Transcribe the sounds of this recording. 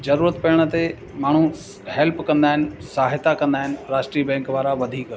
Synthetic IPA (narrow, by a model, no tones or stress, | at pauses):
zɐɾuːɾət̪pɐɽ̃ə̆t̪e | maːɳ̤̃u | hɛlpkɐ̃nd̪aːɦɪnɪ̆saːɦɪt̪akɐ̃nd̪aːɦɪnɪ̆ɾaːʃʈɾiːbɛ̃ːŋkʋaːɾaʋɐd̪ʱiːk